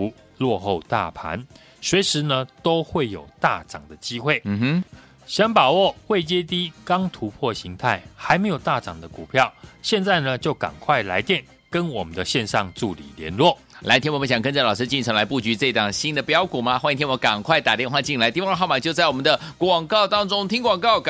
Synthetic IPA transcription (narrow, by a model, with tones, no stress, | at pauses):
u˧˦ | lwɔ˥˧xo˥˧ʊt̪a̰˥˩pʰa̰˧˦n | swe˧˥ɪʂɻ̩˧˥nə˧t̪o˥ʊxwe˥˩ɪjo̰˨˩ʊt̪a˥˨˩ʈ͡ʂɑ̰˨˩ŋd̪ə˦t͡ɕi˥xwe˥˩ɪ˧˥ | ɕjɑ˥ŋpa˨˩wɔ˥˨xwe˥˩ɪt͡ɕjɛ˥t̪i˥kɑ˥ŋt̪ʰu˧˥pʰwɔ˥˨ɕi˧˥ŋt̪ʰa˥˩ɪxa˧˥ɪme˧˥ɪjo˨˩ʊt̪a˥˨˩ʈ͡ʂɑ̰˨˩ŋd̪ə˦ku˨˩pʰjɑ˥˨ʊɕjɛ˥˧nt͡sa˥˩ɪnə˩˨t͡ɕjo˥˩ʊka̰˨˩ŋkʰwa˥˩ɪla̰˧˥ɪt̪jɛ˥˩n | kə˦nwɔ˨˩mə˦nd̪ə˨ɕjɛ˥˧nʂɑ˥˧ŋʈ͡ʂu˥˨lḭ˨˩ljɛ̰˧˦nlwɔ˥˨ | la˧˥ɪt̪ʰi˥nwmə˦ɕɑ˨˩ŋkə˥nt͡sa˥˩lɑ˨˩ʊʂɻ̩˥t͡ɕi˥˩nʈ͡ʂʰɤ˧˥ŋla˧˦pu˥˩t͡ɕy˧˥ʈ͡ʂɤ˥˧i˥˧t̪ɑ˥˩ŋɕi˥nd̪ə˨pjɑ˥ʊku˨˩ma˦xwa˥ĩ˧t̪ʰjnwɔ˧˥˦ka˨˩ŋkʰwa˥˩ɪt̪a˨˩t̪jɛ˥˧nxwa˥˧t͡ɕi˥˩nla˧ɪt̪i˥˧wxʊma˨˩t͡ɕjo˥˧t͡sa˥˩ɪwɔ˨mə˦nd̪ə˧kwɑ˨˩ŋkɑ˥˩ʊt̪ɑ˥ŋʈ͡ʂʊ˥ŋt̪ʰi˥ŋkwɑ˨˩ŋkɑ˥˩ʊk